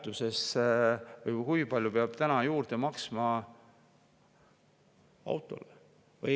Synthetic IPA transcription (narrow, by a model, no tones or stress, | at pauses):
t̪ːuse̞s | vɤjkujpɑljupeɑb̥t̪ænɑjuːrd̪̥emɑksmɑ | ɑ̰wt̪ˑo̞̰le | vɯ